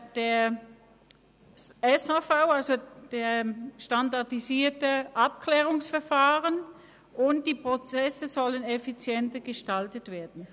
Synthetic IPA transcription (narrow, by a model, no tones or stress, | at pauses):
d̥eːɐ | ɛshafaʊalzod̥eːɐʃtandaɐdiziːɐtəʔapkʰlɛːʁʊŋsfɛɐfaːʁən | ʔʊntd̥iːpʁ̥ot͡sɛsəzɔlənefit͡sjɛntəɡ̥əʃtaltətv̥eːɐdn̩